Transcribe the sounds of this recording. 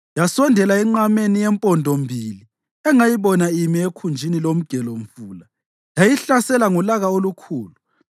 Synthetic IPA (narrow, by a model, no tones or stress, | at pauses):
jasɔndʱɛlaɛŋ͡ǀamenijɛmpʼɔndʱombʱili | ɛŋajiβɔnaimiekʰund͡ʒʱinilom̩ɡ̥ʱɛlom̩fuːla | jajiɬasɛlaŋulaɣaolukʰuːlu